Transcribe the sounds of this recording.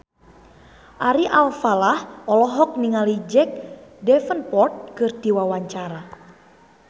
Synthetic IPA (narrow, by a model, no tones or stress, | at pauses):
ʔaɾiʔalfalahɔlɔɦɔk̚niŋalid͡ʒɛk̚dɛfənpɔrt̪̚kɨrd̪̥iwawaɲt͡ʃaɾa